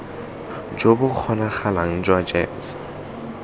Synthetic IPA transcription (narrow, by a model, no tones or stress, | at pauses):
d͡ʒobʊk͡xʰɔnaχalaŋ̩d͡ʒwad͡ʒems